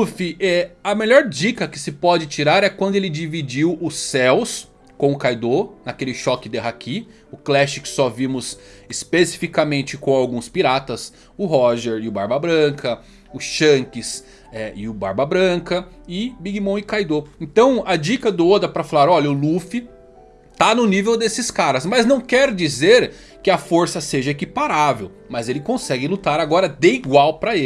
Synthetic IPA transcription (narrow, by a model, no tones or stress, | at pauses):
ufiʔɛɐmeʎɔɾd͡ʒikɐkɪ̥sɪpɔd͡ʒɪt͡ʃiɾaɾɛkwɐ̃nd̪ʊelɪd͡ʒivid͡ʒiwʊsɛws | kõw̃ʊkajd̪onakelɪʃɔkɪd̪ɛɦakʰi | ʊklɛʃɪksɔvimʊsɪspesi̥fikɐmẽnt͡ʃɪkõw̃awɡũspiɾat̪ɐs | ʊɦɔʒɛɾɪʊbaɾbɐbɾɐ̃kʰɐ | ʊsʃɐ̃kɪs | ɛɪʊba̰ɾbɐbɾɐ̃kɐɪbiɡimɐ̃w̃ɪkajd̪oẽnt̪ɐ̃w̃ɐd͡ʒikɐd̪ʊod̪ɾɐpɾɐfalaɾɔʎɐʊlufɪ | t̪anʊnivewd̪esɪskaɾɐzmɐznɐ̃w̃kɛɾd͡ʒizeɾ | kɪɐfoɾsɐseʒɐekipaɾavḛw | mɐzelɪkõsɛɡɪlut̪aɾaɡɔɾɐd̪eiɡwawpɾɐe